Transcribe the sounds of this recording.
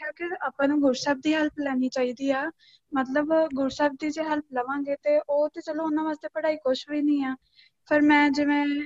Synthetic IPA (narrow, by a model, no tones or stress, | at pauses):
kaːkɪaːpãːnũːɡʊɾsaːb̚d̪iːɦəlplɛːniːt͡ʃaːiːd̪iːaː | mət̪ləbɡʊɾsaːb̚d̪iːd͡ʒeːɦəlp̚ləʋãːɡeːt̪eːʔoːt̪ẽːt͡ʃəlõːʊnãːʋaːst̪eːpəɽaːiːkʊʃɦoːiːnĩːaː | pʰəɾmɛ̃ːd͡ʒɪʋẽː